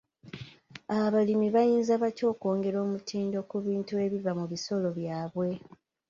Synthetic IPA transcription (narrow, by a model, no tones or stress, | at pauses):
aβalimiβajiːnzaβaco̞ːko̞ːŋɡe̞ɾo̞ːmutʰiːndo̞kuβiːntue̞βivamuβiso̞lo̞βjaːβwe̞